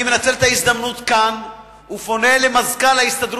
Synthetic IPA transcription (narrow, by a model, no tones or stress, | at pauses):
menat͡selet̪aisd̪amnut̪kan | ufo̞nelemazkalaist̪ad̪ɾ